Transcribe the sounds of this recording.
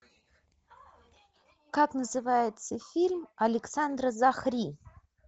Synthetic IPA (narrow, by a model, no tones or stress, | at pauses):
kaknəzɨvajɪt̪səfʲilʲmɐlʲɪksand̪rəzaχrʲi